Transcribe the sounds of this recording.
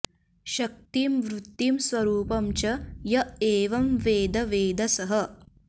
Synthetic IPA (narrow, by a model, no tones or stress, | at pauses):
ʃɐk̚t̪iːmʋɾut̪ːimsʋɐɾuːpɐmt͡ʃɐjɐeːʋɐmʋeːd̪ɐʋeːd̪ɐsɐɦɐ̆